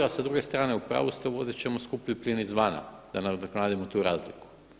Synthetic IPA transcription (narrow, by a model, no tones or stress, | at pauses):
asad̪ɾuɡe̞st̪ɾaːneupɾa̰ːʋust̪oʋo̞zit͡ɕemoskupʎupʎinizʋaːna̰d̪anaknaːd̪imot̪uːɾaːzlḭku̥